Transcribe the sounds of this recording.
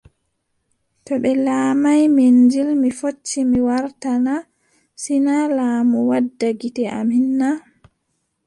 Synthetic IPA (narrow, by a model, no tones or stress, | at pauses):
tɔɓɛlaːmajmend͡ʒilmifot͡ʃːimiwaɾtana | sinalaːmuwadːaɡitɛʔa̰minːa